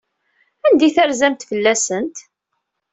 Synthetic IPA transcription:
ænd̪iθaɾzæmt̪fəlːæsənt̪

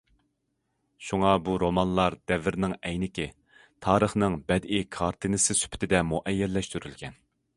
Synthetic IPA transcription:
ʃuŋɑbuɾomɑnlˠɑɾd̪ɛvɪɾnɪŋɛjnɪkʲɪ | t̪ʰɑːɾəχnɨŋbɛd̪ikʰɑɾt̪ʰɨnɨsɨsy̥pʰɪ̥t̪ʰɪd̪ɛmuʔɛjːɛlːɛʃt̪yɾylɡʲɛn

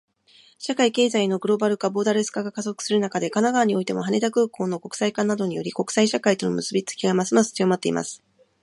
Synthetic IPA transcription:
ɕakaike̞ːzaino̞ɡɯ̟ɾo̞baɾɯ̟kabo̞ːd̪aɾɯsɨ̥kaɡakazo̞kɯ̟̥sɨɾɯ̟nakad̪e̞kanaɡaːɲ̟io̞it̪e̞mo̞ɦane̞t̪akɯ̟ːko̞ːno̞ko̞kɯ̟̥saikãnːad̪o̞ɲ̟ijo̞ɾʲiko̞kɯ̟̥saiɕakait̪o̞no̞mɯ̟sɨbʲit͡sɨ̥kʲiɡamasɨmasɨ̥t͡sijomat̪ːe̞̰ḭmʔa̰sɨ̥

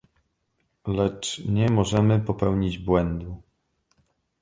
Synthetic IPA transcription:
lɛt͡ʂɲɛmɔʐɛmɘpɔpɛwɲid͡ʑbwɛnd̪u

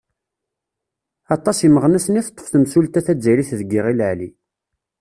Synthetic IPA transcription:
ɑt̪ˤːɑsiməʁnæsəniθt̪ˤːə̥fθəmsult̪æθæd͡zːæliθðəɡːiʁilʕli

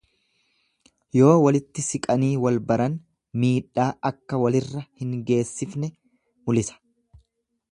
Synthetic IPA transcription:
jo̞ːwɐlɪt̪ːɪsɪkʼɐniːwɐlbɐɾɐn | miːᶑːaːʔɐkːɐwɐlɪrːɐhɪŋɡe̞ːsːɪfnɛ | mʊlɪsɐ̥

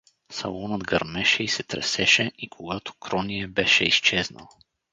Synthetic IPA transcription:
sɐlˠɔnəd̪ɡɐɾmɛʃɛisɛt̪ɾɛ̰sɛʃɛikʰoɡat̪o̥kɾɔnijɛbɛʃɛ̰ist͡ʃɛznə̰lˠ

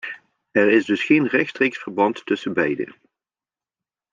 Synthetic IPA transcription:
ɛɹɪzdɵsχejnrɛxtstrejksfəɹbɑntːɵsənbɛjdə̰

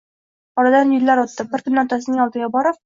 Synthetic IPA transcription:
ɒɾad̪anjɪlːaɾɒt̪ːɤbɪɾkɵ̆nːat̪as̬ɪnɪŋɒlˠd̪ɤ̆ɡʲabɒɾɤp̚

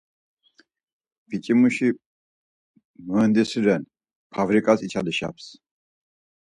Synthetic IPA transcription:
bit͡ʃʼimuʃi | mənd̪isiɾɛn | pʰavɾikʼasit͡ʃʰad̪ɛʃa̰ps

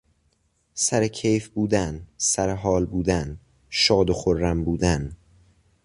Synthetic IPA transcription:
sæɾecʰejfbuːd̪ænsæɾeɦɒːlbuːd̪æn | ʃɒːd̪oxoɾːæmbuːd̪æn

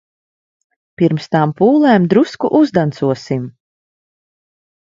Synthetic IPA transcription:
piɾmst̪ampuːlˠɛːmd̪ɾuskuʔuzd̪ant̪suɔsim

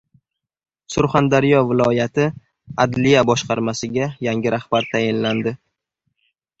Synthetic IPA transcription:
sʊɾχand̪aɾjɒvɪlˠɒjat̪ʰɪ | ad̪lijabɒʃqɑɾmasɪɡʲajaŋʲɪɾahb̥aɾt̪ʰajɪnland̪ɪ

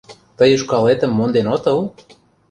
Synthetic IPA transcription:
t̪əjə̆ʃkɑlet̪ə̆mːond̪enot̪ɤlˠ

